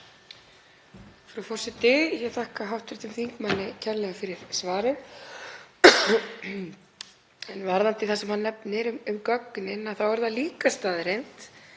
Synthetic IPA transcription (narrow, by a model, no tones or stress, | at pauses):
fɾʏfɔr̥sɪt̪ɪjɛɣθahkaɦawht̪ɪ̥ɾ̥t̪ʰɪmθiŋkmanːɪcʰaɾlɛɣafɪɾɪɾ̥svaːɾɪð | ɛnvaɾðant̪ɪθasɛmhanːɛpnɪɾʏmʏmkœkːʏnɪnaðθawɛɾðaliːkast̪aːðɪɾejn̥t̪